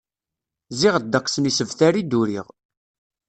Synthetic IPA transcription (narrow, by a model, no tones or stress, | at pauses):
ziʁəd̪ːəqːsənisəvθæɾid̪uɾiʁ